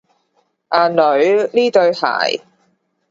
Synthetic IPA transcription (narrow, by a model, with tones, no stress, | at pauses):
ʔaː˨nlɵ˨˧ɥliː˥t̪ɵ˧ɥha̰ː˨˩j